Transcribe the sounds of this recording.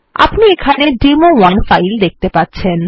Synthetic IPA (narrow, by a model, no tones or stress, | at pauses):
a̰pniekʰaneɖimowanfajld̪ek̚ʰt̪epatːɕʰen